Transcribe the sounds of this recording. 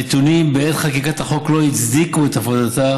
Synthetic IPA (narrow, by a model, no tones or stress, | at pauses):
et̪unimbeet̪χakikat̪aχo̞klo̞it͡sd̪ikuet̪afodat̪a